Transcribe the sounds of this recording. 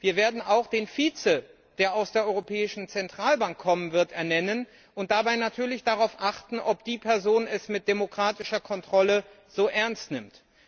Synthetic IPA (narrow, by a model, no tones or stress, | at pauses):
viːɐveːɐdn̩aʊxd̥eːnfiːt͡sə | d̥eːɐaʊsd̥eːɐʔɔʏʁopʰɛːɪʃn̩t͡sɛntʁ̥aːlbaŋkʰːɔmənvɪɐtɛɐnɛnən | ʔʊnt̚d̥abaɪnatʰyːɐlɪçd̥aʁaʊfʔaχtn̩ʔɔpd̥iːpʰɛɐzoːnɛsmɪt̚d̥emokʁ̥aːtɪʃɐkʰɔntʁ̥ɔlə | z̥oːʔɛɐnstnɪmt